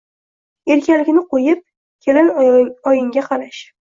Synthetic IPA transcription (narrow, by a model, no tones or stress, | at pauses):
e̞ɾkʲʰalɪkʲnɪqʰojɪp̚ | kʲʰe̞lɪnɒjɪŋʲaqʰɑlaʃ